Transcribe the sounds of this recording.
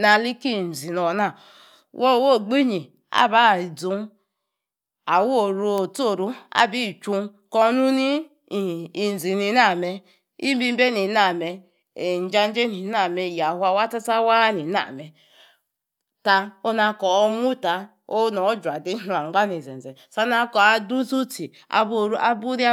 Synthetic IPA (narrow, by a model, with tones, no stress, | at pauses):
na˨li˦ki˦˨n̩˨zi˨no˨˦na˨ | wʔo˦˨˦wo˦˨ɡ͡bi˦ɲi˨ | a̰˦ba˦˨i˨d͡zu˦n˦ | a˨wo˦o˨ɾo˨˦o˨to˦˨ɾu˦a̰˦bi˦˨t͡ʃu˦ | kɔ˦nu˦ni˦˨ | i˨n̩˨zi˨ni˨˦na˦˨me˨ | i˦bi˦m˦be˦ni˨˦na˨me˨ | n̩˨˦d͡ʒa˦n˦d͡ʒe˦ni˨na˨me˨ja˨hwa˨wa˦ta˦sa˦wa˦ni˨na̰˨mɛ˨ | ta˧o˦na˧kɔ˨o˦mu˦ta˨ | o˦nɔ˨˦d͡ʒʷa˨di˦u˨a˨ŋ͡mɡ͡ba˦ni˨ze˨n˨ze˨sa˦na˦kɔ˨a˨du˦tu˦ti˨ | a̰˨bɾʔa˦bu˦ɾi˦